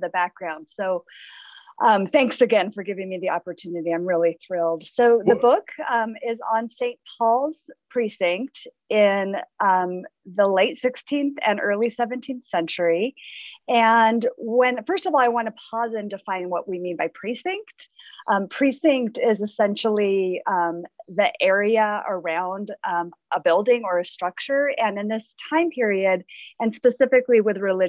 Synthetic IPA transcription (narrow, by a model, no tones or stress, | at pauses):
ðɨbæk̚ɡ̥ɹãʊ̃nd̥soʊ | ʔʌ̃mθæ̃ŋksɨɡɛ̃nfə˞ɡɪvɪ̃ŋmiðiʔɑpə˞tʰʉnɨɾiãɪ̃mɹɪlˠiθɹɪlˠd̥soʊðɨbʊkmɪzn̩sẽɪ̃npʰɔlˠz̥pʰɹ̥isɪ̃ŋk̚t | ɪ̃nmðəleɪtsɪkstʰĩnθɨ̰̃nʔɜ˞lˠisɛvɨ̃ntʰĩnθsɛ̃nt͡ʃə˞i | ɨ̃nwɨ̃nfɜ˞stʌvɔlˠaɪwɑ̃nəpʰɔzɨ̃ndɨfãɪ̃nwʌʔ̚wimĩnbaɪpʰɹ̥isɪ̃ŋktʔpʰɹ̥isɪ̃ŋk̚tɪzɨsɛ̃nʃl̩ˠĩmðiʔɛɹiɨə˞ãʊ̃ndʔəbɪlˠdɪ̃ŋə˞ɨstɹ̥ʌk̚t͡ʃə˞ɨ̃nɨ̃nðɪstʰãɪ̃mpʰɪɹiɨɾɨ̃nspɨsɪfɨkliwɨðɹɨlɪ